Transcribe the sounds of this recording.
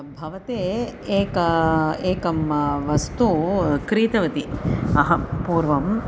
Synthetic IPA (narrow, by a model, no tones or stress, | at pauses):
bʱɐʋɐt̪eːeːkɐeːkɐmʋɐst̪ukɾiːt̪ɐʋɐt̪iɐɦɐpuːɾʋɐm